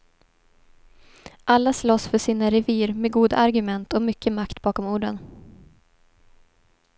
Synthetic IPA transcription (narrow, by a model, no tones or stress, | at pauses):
ʔalːaslɔsfœʂiːnaɾɛviːɾmeɡuːd̪a̰ʔaɾɡɵmɛnt̪ɔmʏkʰːəmakt̪b̥ɑːkɔmuːɖən